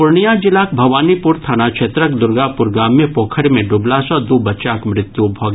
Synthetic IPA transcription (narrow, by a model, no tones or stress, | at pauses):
pʊɾɳijad͡ʒɪlaːkbʱɐʋaːnipʊɾt̪ʰaːnaːkʃʰeːt̪ɾəkd̪ʊɾɡaːpʊɾɡaːmːẽpoːkʰəɾmẽɖʊblasɔːd̪uːbɐt͡ʃaːkmɾɪt̪jubʱɔɡ